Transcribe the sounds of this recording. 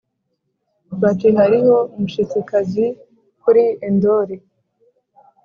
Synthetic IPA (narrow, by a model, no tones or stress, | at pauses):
bateɦaɾiho̞umuʃit͡sikazi | kuɾiendoɾe